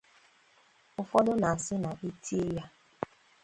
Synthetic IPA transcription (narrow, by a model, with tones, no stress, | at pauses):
ʊ˨fɔ˦dʊ˦na˨a˨sɪ˦na˨ʔi˦tʰi˦e˦ja˦